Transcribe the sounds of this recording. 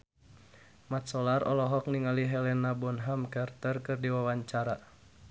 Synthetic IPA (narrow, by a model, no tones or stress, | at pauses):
mat̪̚sɔlarɔlɔɦɔk̚niŋaliɦɛlɛnabɔnɦamkart̪ərkɨrdiwawaɲt͡ʃaɾa